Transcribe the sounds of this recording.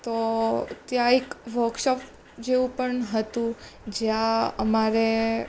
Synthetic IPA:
t̪ot̪jãekʋəɾkʃɔp | d͡ʒeũpəɳɦət̪ũd͡ʒjãə̰maɾe

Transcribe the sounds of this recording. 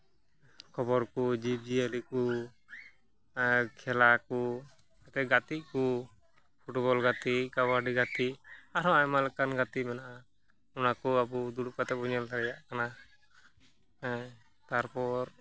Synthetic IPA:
kʰɔbɔɾkud͡ʒib̚d͡ʒiəliku | kʰɛlaku | at̪ɛɡat̪iʔku | pʰuʈbɔlɡat̪iʔkawaɖiɡat̪iʔaɾɔ̃ajmalɛkanɡat̪imɛnaʔa | unakuabud̪uɽupat̪ɛbɔɲalt̪aɾɛjaʔkana | t̪aɾpɔɾ

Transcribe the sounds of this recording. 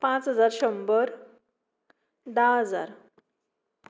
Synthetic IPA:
pãt͡sɦəd͡zaɾɕəmbəɾ | d̪aɦəd͡za̰ɾ

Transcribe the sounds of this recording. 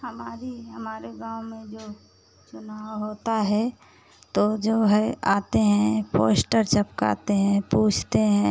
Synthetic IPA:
həmaːɾiɦəmaːɾeɡãːʊmẽd͡ʒoː | t͡ʃʊnaːwɦoːt̪aɦɛ | t̪od͡ʒoːɦɛaːt̪eɦɛ̃po̰ːsʈəɾt͡ʃəpka̰ːt̪eɦɛ̃puːt͡ʃʰt̪eɦɛ̃

